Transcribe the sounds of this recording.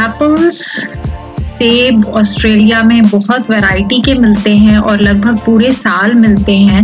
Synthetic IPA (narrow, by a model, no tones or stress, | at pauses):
ɛːpəlz | seːbɔːsʈɾeːlijamẽbɔɦʊt̪ʋɛɾaːɪʈikemɪlt̪eɦɛ̃ʔɔːɾlɐɡ̚bʱəɡ̚puːɾesaːlmɪlt̪eɦɛ̃ː